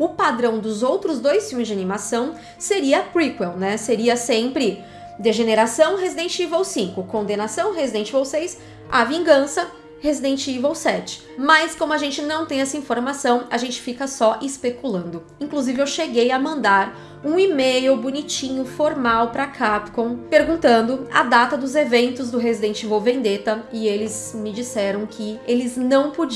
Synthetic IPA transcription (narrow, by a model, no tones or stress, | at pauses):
ʊpad̪ɾɐ̃w̃d̪ʊzowt̪ɾʊzd̪ojsfimɪzd͡ʒanimasɐ̃w̃ | seɾiɐpɾikwɛwnɛseɾiɐsẽmpɾɪ | d̪eʒeneɾasɐ̃w̃ɦezid̪ẽnt͡ʃivowsĩŋkʊkõd̪enasɐ̃w̃ɦezid̪ẽnt͡ʃivowsejs | avĩŋɡɐ̃sɐ | hezid̪ẽt͡ʃivowsɛt͡ʃɪ̥ | mɐskõmʊaʒẽnt͡ʃɪnɐ̃w̃t̪ẽj̃ɛsɐĩfoɾmasɐ̃w̃aʒẽnt͡ʃɪ̥fikɐsɔʔɪspekulɐ̃nd̪ʊ | ĩŋkluzivɪewʃeɡejɐmɐ̃nd̪aɾ | ũimejʊbunit͡ʃĩɲʊfoɾmawpɾɐkʰapkõw̃peɾɡũnt̪ɐ̃nd̪ʊɐ̰d̪at̪ɐd̪ʊzevẽnt̪ʊzd̪ʊɦezid̪ẽnt͡ʃivowvẽnd̪et̪ɐɪelɪzmɪd͡ʒisɛɾɐ̃w̃kʰɪelɪznɐ̃w̃pod͡ʒ